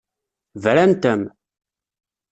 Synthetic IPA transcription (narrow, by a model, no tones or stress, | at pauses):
vɾænt̪əm